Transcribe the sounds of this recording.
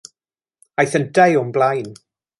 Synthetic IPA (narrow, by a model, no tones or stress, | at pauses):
ajθəndajʊmblajn